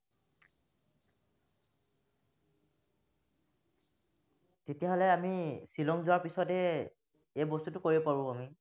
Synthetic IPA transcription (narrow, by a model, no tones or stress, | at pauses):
tetijaɦɔlɛamisilɔŋzʊwaɹpisɔtɛ | ejbostutʊkoɹibɔpaɹʊ̃ami